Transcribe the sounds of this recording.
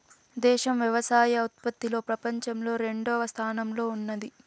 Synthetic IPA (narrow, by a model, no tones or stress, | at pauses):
d̪ɛːʃɐmʋjɐʋɐsaːjɐɐut̪̚pɐt̪ːilo̞ːpɾɐpɐɲt͡ʃɐmlo̞ːɾe̞ɳɖɔːʋɐst̪ʰaːnɐmlo̞ːunːɐd̪i